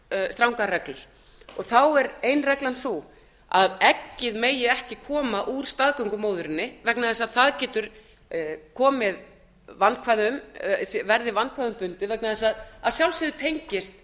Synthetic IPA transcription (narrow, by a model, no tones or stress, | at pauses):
st̪ɾawŋkarɛklʏɾ̥ | ɔɣθawɛɾeːjnrɛklansu | aðɛcːɪðmeːjɪɛhcɪkʰɔːmaʔuɾ̥st̪aðkœŋkʏmoːwðʏɾɪnːɪvɛknaðɛsaðθaðcɛːt̪ʏɾ̥ | kʰɔːmɪð | vant̪kʰvaːðʏmsvɛɾðɪvant̪̚kʰvaðʏmpʏnt̪ɪvɛknaðɛsaðaðsjawlsvɪðʏt̪ʰejɲcɪst̪̚